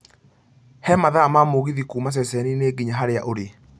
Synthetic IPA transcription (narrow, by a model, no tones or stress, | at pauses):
hɛmaðamamoɣiðikuːmas̬ɛsɛnineːɡiɲaɦaɾeaʔoɾe